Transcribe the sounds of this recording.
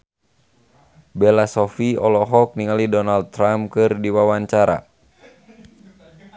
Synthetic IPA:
bɛlasɔfiɔlɔɦɔk̚niŋalidɔnald̪̚t̪ɾamkɨrdiwawaɲt͡ʃaɾa̰

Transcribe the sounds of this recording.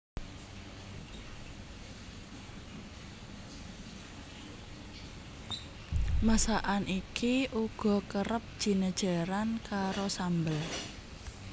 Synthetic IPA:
masaʔanʔikiʔuɡ̥ɔ̤kəɾəp̚ʒ̥i̤nəd̥ʒ̥a̤ɾankaɾosambəl

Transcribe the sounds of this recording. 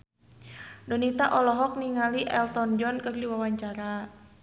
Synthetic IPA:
dɔnit̪aʔɔlɔɦɔk̚niŋaliʔɛlt̪ɔnd͡ʒɔnkərliwawaɲt͡ʃaɾa

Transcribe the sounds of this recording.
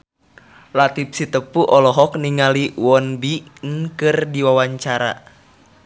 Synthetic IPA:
lat̪ip̚sit̪əpuʔɔlɔɦɔk̚niŋaliwɔnbinkɨrdiwawaɲt͡ʃaɾa̰

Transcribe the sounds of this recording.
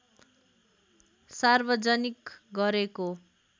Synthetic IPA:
sarbʌd͡zʌnikɡʌɾeko

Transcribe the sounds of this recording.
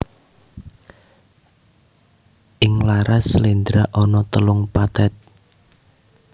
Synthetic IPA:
ʔɪŋlaɾasəlind̪ɾaʔɔnɔt̪əlʊŋpat̪ɛt̪̚

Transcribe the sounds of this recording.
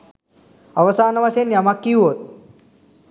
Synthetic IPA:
əʋəsanəʋaɕenjamakːiːɦot̪̚

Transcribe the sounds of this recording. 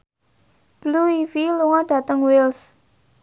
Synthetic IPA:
b̥luifiluŋɔɖ̥ä̤t̪əŋwils

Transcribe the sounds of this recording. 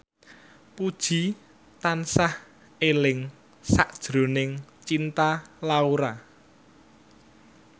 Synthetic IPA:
pud̥ʒ̥i̤ | t̪ansah | elɪŋ | saʔd̥ʒ̥ɾo̤nɪŋt͡ʃint̪alauɾa

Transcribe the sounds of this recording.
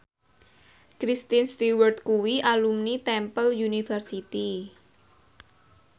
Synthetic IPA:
kɾist̪inst̪iwərt̪̚kuwiʔalumnit̪ɛmpəljunifərsit̪i

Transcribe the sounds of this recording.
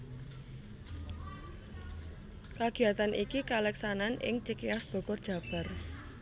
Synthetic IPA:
kaɡ̥i̤at̪anʔikikalɛksananʔɪ̰ŋt͡ʃikeasb̥ɔ̤kɔrd̥ʒ̥ä̤b̥a̤r

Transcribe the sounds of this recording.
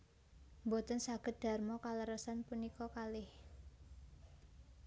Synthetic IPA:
mbot̪ənsaɡ̥ə̤t̪̚d̪̥a̤rmɔkaləɾəsanpunikɔkalɪh

